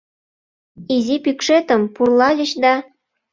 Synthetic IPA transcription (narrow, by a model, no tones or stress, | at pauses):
izipykʃet̪əmpurlɑlʲət͡ɕd̪ɑ